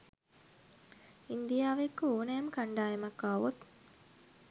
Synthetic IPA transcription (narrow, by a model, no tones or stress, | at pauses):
ind̪ijaːʋekːuoːnɛːməkaɳɖaːjemakːaːʋut̪